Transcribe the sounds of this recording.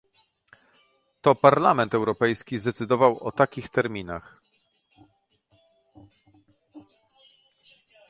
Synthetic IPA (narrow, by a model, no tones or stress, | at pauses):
t̪ɔpaɾlamɛnt̪ɛwɾɔpɛjskʲizd̪ɛt̪sɘd̪ɔvawɔt̪akʲixt̪ɛɾmʲinax